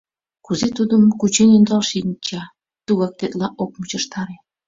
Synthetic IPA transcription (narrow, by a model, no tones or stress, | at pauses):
kuzet̪ud̪əmkut͡ɕenind̪ɑlʃinʲt͡ɕɑ | t̪uɣɑk̚t̪et̪lɑʔok̚mut͡ɕəʃt̪ɑɾe